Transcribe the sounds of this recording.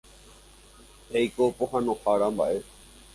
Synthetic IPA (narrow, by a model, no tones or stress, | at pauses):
ejkopoɦãnõxaɾãmba̰ʔe